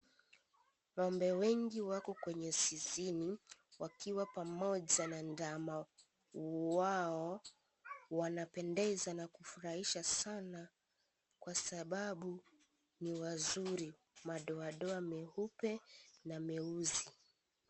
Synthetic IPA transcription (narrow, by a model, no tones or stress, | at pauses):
wɔmbɛwɛŋɡiwakɔkwɛɲɛsiziniwakiwapamɔʄanandama | waɔ | wanapɛndɛzanakufuɾaiʃasana | kwasaɓaɓu | niwazuɾi | maɗɔaɗɔamɛhupɛnamɛuzi